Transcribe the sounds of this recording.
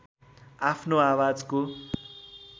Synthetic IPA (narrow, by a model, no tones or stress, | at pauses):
apʰnoawad͡zko